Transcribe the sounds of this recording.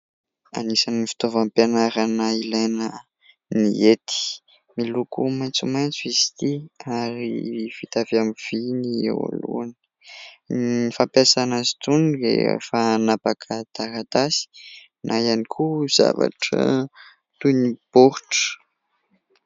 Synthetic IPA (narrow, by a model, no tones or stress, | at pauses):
a̰nisanifi̥t̪ovampanaɾanəilajnə | niet̪i̥ | milukumajnt͡sumajnt͡suisi̥t̪iaɾiv̥it̪avamiv̥iniḛwa̰lṵan̥ | ifampasanazi̥t̪unɾḛfanapakʰət̪aɾat̪asi̥ | nʔaianikʰuz̥a̰va̰ʈ͡ʂə̰ | t̪uniboɾʈ͡ʂə̥